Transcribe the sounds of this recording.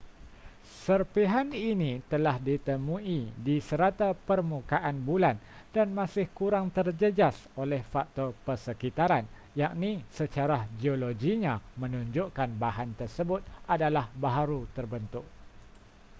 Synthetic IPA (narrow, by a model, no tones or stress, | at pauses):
sərpiɦaninĩt̪əlahdit̪əmũidisəɾat̪apərmukaʔanbulandanmãsɪhkuɾaŋt̪ərd͡ʒəd͡ʒas | olɛhfak̚t̪ɔrpərsəkit̪aɾan | jaʔ̚nĩsət͡ʃaɾad͡ʒioloɡiɲãmə̃nũɲd͡ʒʊʔkanbaɦant̪ərsəbʊt̪̚adalahbaɦaɾut̪ərbənt̪ʊʔ̚